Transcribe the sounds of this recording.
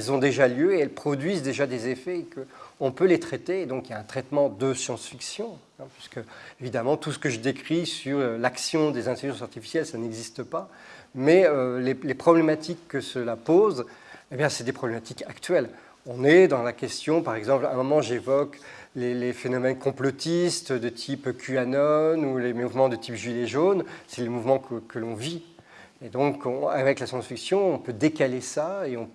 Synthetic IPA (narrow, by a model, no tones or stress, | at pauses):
ɛlzɔ̃d̪eʒaljøeɛlpχɔd̪ɥizd̪eʒad̪ezefɛkəɔ̃pølet̪χɛt̪ed̪ɔ̃kiljaɛ̃t̪χɛt̪mɑ̃d̪əsjɑ̃sfiksjɔ̃ | ɛ̃pɥiskəevid̪amɑ̃t̪usə̥kəʒəd̪ekχisyʁølaksjɔ̃d̪ezɛ̃t̪eʁiʒɑ̃saʁt̪ifi̥sjɛlsanɛɡzist̪əpamɛølelepχɔblemat̪ʰikːəsəlapoz | ebjɛ̃sɛd̪epχɔblemat̪ikakt̪ɥɛl | ɔ̃nɛd̪ɑ̃lakʲɛst̪jɔ̃paʁɛɡzɑ̃plɛ̃mɔmɑ̃ʒevɔklelefenɔmɛnkɔ̃plɔt̪ist̪d̪ət̪ʰipkʲyanɔnulemuvmɑ̃d̪ət̪ʰipʒileʒonsɛlemuvmɑ̃kəkʰəlɔ̃vi | ed̪ɔ̃kɔ̃a̰vɛklasjɑ̃sfiksjɔ̃ɔ̃pød̪ekalesaeɔ̃p